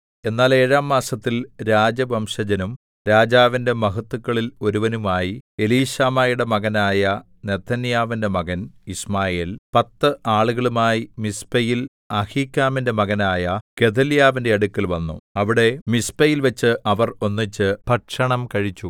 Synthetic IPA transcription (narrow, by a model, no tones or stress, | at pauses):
e̞nːaːle̞ːɻaːmːaːsɐt̪ːilɾaːd͡ʑɐbɐmʂɐd͡ʑɐnum | ɾaːd͡ʑaːʋinde̞mɐɦɐt̪ːukːɐɭilo̞ɾuʋɐnumaːjie̞liːɕaːmaːjuɽe̞mɐɣɐnaːjɐ | ne̞t̪ʰːɐnjaːʋinde̞mɐɣɐnismaːje̞ːlpɐt̪ːɨʔaːɭuɣɐɭumaːjimispɐjil | ɐhiːkʲːaːminde̞mɐɣɐnaːjɐke̞t̪ʰɐljaːʋinde̞ɐɽukːilʋɐnːṵɐʋiɽe̞mispɐjilʋɐt͡ɕːɨʔɐʋɐro̞nːit͡ɕːɨpɐʈʂɐɳɐmkɐɻit͡ɕːu